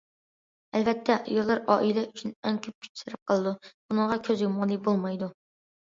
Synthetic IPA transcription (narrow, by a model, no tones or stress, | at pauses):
ælvɛt̪ʰːɛʔjolˠɑɾɑːʔilɛyt͡ʃʰynɛŋkʲʰøp̚kʲʰy̥t͡ʃsɪɾɪp̚qʰəlˠɨd̪ub̥unəŋʁɑkʲʰøzjomɑlˠibolˠmɑjd̪u